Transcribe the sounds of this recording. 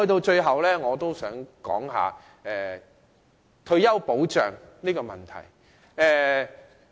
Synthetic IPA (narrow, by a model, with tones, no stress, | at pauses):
ɵ˧t̪o˧wt͡ʃɵ˧ɥɦɐ˨wlɛː˥ŋɔː˨˧t̪o˥wsœː˨˥ŋkɔ̰ː˨˥ŋɦa̰ː˨ | ɛː˨˩ | t̪ʰɵ˧ɥjɐ˥wpo˨˥wt͡ʃœ̰ː˨ŋniː˥kɔː˧mɐ̰˨nt̪ʰɐ̰˨˩j | ɛː˨